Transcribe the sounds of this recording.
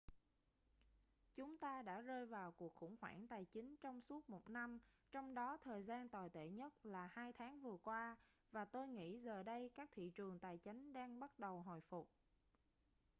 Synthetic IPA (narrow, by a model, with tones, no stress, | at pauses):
t͡ɕʊ˨˦ŋ͡mt̪aː˧ɗa̰ː˧˥zəː˧jvaː˨˩wku˨˩ək̚xʊ̰˧˩ŋ͡mhwa̰ː˧˩ŋt̪aː˨˩jt͡ɕï˨˦ŋ̟t͡ɕɔ˧wŋ͡msu˦˥ət̚mo˨˩t̚na˧m | t͡ɕɔ˧wŋ͡mɗɔ˨˦t̪ʰəː˨˩jzaː˧nt̪waː˨˩jt̪ḛ˧˩ɲə˦˥t̚laː˨˩haː˧jt̪ʰaː˨˦ŋvɨ˨˩əkwaː˧ | vaː˨˩t̪o˧jŋḭ˧˥zəː˨˩ɗə˧jkaː˦˥k̚t̪ʰḭ˧˨t͡ɕɨ˨˩əŋt̪aː˨˩jt͡ɕa˨˦jŋ̟ɗaː˧ŋɓa˦˥t̚ɗə˨˩wɦɔ˨˩jfʊ˨˩k͡p̚